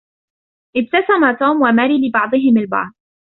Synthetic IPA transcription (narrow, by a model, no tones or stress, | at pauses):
ʔɪb̚t̪asamat̪uːmwamaːɾiːlɪbɑʕd̪ˤɨɦɪmalbɑ̰ʕd̪ˤ